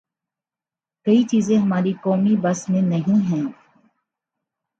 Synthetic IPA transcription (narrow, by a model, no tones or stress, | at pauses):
kɐit͡ʃiːzẽɦɐmaːɾikɔːmibɐsmẽnɐɦĩɦɛ̃ː